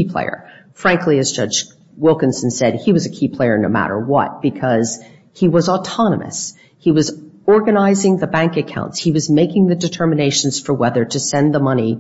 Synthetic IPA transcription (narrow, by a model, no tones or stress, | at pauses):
ipʰl̥ḛɪə̰˞ | fɹæ̃ŋkʰliɨzd͡ʒʌd͡ʒ | wɪlˠkɨ̃nsn̩sɛd̚iwʌzɨkʰipʰl̥eɪə˞noʊmæ̰ɾə̰˞wʌ̰t̚b̥ɨkʰʌz̥ | hiwʌzətʰɑnə̰mɨ̰s | hiwʌzɔɹɡɨnaɪzɪ̃ŋðɨbæ̃ŋkɨkʰãʊ̃ntshiwʌzmeɪkɪ̃ŋðɨdɨtʰɜ˞mɨneɪʃn̩z̥fə˞wɛðə˞ɾɨsɛ̃nðəmʌni